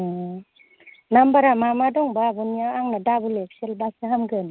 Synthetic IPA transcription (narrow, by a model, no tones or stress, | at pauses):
nambaɾamamadɔŋbaːbɔnijaaŋnadabulek̚selbasaɦamɡɯn